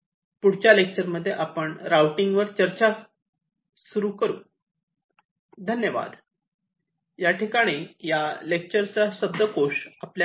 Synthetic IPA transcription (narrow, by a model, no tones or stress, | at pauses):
puɽ̤t͡ɕjalek̚t͡ɕəɾməd̪ʱːjeʔapəɳɾawʈiŋɡʋəɾt͡ɕəɾt͡ɕa | suɾuːkəɾṵː | d̪ʱənjəʋa̰d̪ | jaʈikaɽ̃ijalek̚t͡ɕəɾt͡saɕəb̚d̪əkoʂaplj